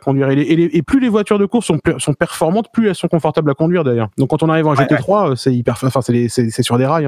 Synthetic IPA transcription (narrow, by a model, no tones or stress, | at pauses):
kɔ̃d̪ɥiʁeleeleeplylevwat̪yʁd̪əkuʁsɔ̃psɔ̃pɛʁfɔʁmɑ̃t̪plyɛlsɔ̃kɔ̃fɔʁt̪ablakɔ̃d̪ɥiʁd̪ɛʁjœʁd̪ɔ̃kːɑ̃t̪ɔ̃naʁivãɛ̃ʒep̪et̪χwaøsɛipɛʁfɑ̃fɛ̃sɛlesɛsɛsyʁd̪eʁaj̃